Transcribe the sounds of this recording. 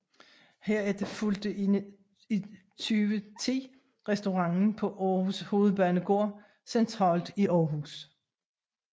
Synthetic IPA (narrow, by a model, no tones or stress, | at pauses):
heɐ̰ed̥efuld̥əʔen | i | t͡sʰyːʋət͡sʰḛː | ʁɛsd̥o̝ʁɑ̈ŋn̩pʰɒ̽ʔɒːhusho̝ːð̞̩ˠb̥œːnəɡ̥o̝ːɐ̰ | sent͡sʰʁɑ̰̈ːld̥iʔɒːɦṵs